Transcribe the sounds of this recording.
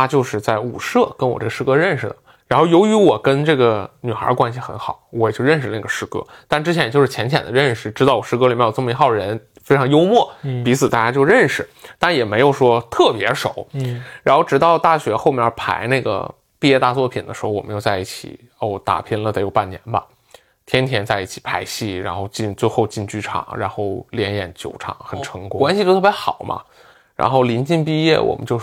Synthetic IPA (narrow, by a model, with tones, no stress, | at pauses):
t̪ʰa˥t͡ɕjo˥˧ʊʂɻ̩˥˧t͡sa˥˩ɪu˨˩ʂɤ˥˩kə˥nwɔ̰˨˩ʈ͡ʂɤ˥˩ə˩ʂɻ̩˥˧kɤ˥ɻə˥˩nʂɻ̩˩d̪ə˩ | ɻa˧˥nxo˥˩jo˧˥ʊy˧˥wɔ˨˩kə˥nʈ͡ʂɤ˥˩ɡə˩ny˨˩xə̰˞˧˥kwa˥nɕi˨˩xə˧˥nxɑ˨˩˦ʊwɔ˧˥jt͡ɕo˥˧ʊɻə˥˧nʂɻ̩˧˩˧na˥˩ɡə˩ʂɻ̩˥˩kɤ̰˥t̪a˥˩nʈ͡ʂɻ̩˥t͡ɕʰjɛ˧˥jjo˥˧ʊʂɻ̩ʰ˥˩jɛ˧˥nt͡ɕʰjɛ̰˨˩nd̪ə˦ɻə˥˩nʂɻ̩˨˩ʈ͡ʂɻ̩˥t̪ɑ˥˩ʊwɔ˨˩ʂɻ̩˥˩k̬ɤ˥li˨˩mjjo˨˩ʈ͡ʂmə˧i˧˥xɑ˥˩ʊə˩ɻə˧˥n | fe˥ʈ͡ʂʰɑ˧˥ŋjo˥ʊmwɔ˥˩pi˧˥t͡sʰɹ̩˨˩t̪a˥˩t͡ɕja˥t͡ɕjo˥˧ʊɻə˥˩nʂɻ̩˨˩t̪a˥˩njɛ˨˩me˧˥ɪjo˨˩ʊʂwɔ˥t̪ʰɤ˥˩pjɛ˧˥ʂo˨˩˦ʊɻa˧˥nxo˥˩ʊʈ͡ʂɻ̩˧˥t̪ɑ˥˧ʊt̪a˥˩ɕɥɛ˧˥xo˥˧ʊmjpʰa̰˧˥ɪna˥˩ɡə̰˩ | pi˥˧jɛ˥˧t̪a˥˧t͡swɔ˥˩pʰi˨˩nd̪ə̰˦ʂɻxwɔ˨˩mə˦t͡ɕjo˥˧t͡sa˥˧i˥˩t͡ɕʰḭ˨˩˦ | o˥˩t̪a̰˨˩pʰi˥˩nlə˨˩˧ɪjo˨˩ʊpa˥˩njɛ̰˧˥nbɐ̰˧ | t̪ʰjɛ˥nt̪ʰjɛ˧˥nt͡sa˥˧ɪi˥˩t͡ɕʰi˨˩pʰa˧˥ɪɕi˥˩ɻa˧˥nxo˥˧ʊt͡ɕi˥˧nt͡swe˥˧ɪxo˥˧ʊt͡ɕi˥˧nt͡ɕy˥˩ʈ͡ʂʰɑ̰˨˩˦ŋɻa̰˧˥nxo˥˩ʊljɛ˧˥njɛ˨˩nt͡ɕjo˨˩ʊʈ͡ʂʰɑ̰˨˩˦ŋxə˨˩nʈ͡ʂʰɤ˧˥ŋkkwa˥nɕi˧t͡ɕjt̪ʰjɛ˧˥xɑ˨˩˦ʊmʔɐ̰˦ | ɻa̰˧˥nxo˥˩ʊli˧˥nt͡ɕi˥˧npi˥˧jɛ̰˥˩wɔ̰˨˩mə̰˧˦nt͡ɕjo˥˧ʊ